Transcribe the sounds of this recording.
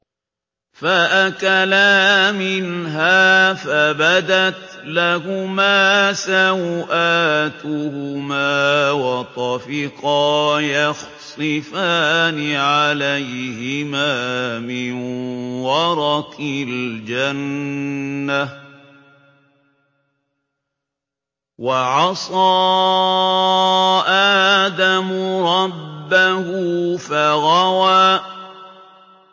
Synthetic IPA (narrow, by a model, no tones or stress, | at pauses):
faʔakalamɪnɦaːfabad̪at̪lahʊmaːsawʔaːt̪ʊhʊmaːwɑt̪ˤɑfɪqɑːjɑx | sˤɨfaːnɪʕalajhɪmaːmɪnwɑɾˤɑkɪld͡ʒanː | a | waʕɑsˤɑː | ʔaːd̪amʊɾˤɑbːahʊfaɣawaː